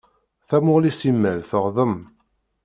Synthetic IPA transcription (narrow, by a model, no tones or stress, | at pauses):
θæmʊʁlisimːælθəʁðˤəm